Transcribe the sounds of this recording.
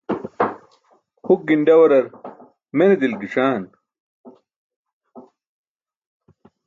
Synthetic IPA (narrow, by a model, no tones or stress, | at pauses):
huk̚ɡiɳɖɐwɐɾɐɾ | mened̪ilɡiʂaːn